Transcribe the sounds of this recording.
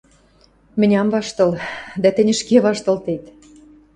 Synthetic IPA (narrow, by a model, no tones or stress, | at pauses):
mɘ̆nʲɑmvɑʃt̪ɤ̆ld̪æt̪ɘ̆nʲə̆ʃkeβɑʃt̪ɤ̆lt̪et̪